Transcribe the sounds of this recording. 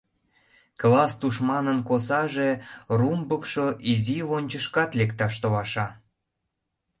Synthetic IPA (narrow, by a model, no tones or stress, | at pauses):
klɑst̪uʃmɑnənkosɑʒerumbəkʃoʔiziβonʲt͡ɕəʃkɑt̪lekt̪ɑʃt̪olɑʃɑ